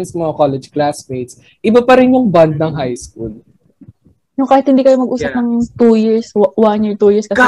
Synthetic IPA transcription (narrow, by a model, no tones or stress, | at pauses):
nsmɐŋakolɛd͡ʒklasmejt̪s | ʔɪbapɐɾɪnjʊŋband̪̚nɐŋɦajskul | jʊŋkaːhɪt̪hɪnd̪iːkɐjomɐɡʔuːssɐp̚nɐŋt̪ujɪɹswanjɪɹt̪ujɪɹskɐs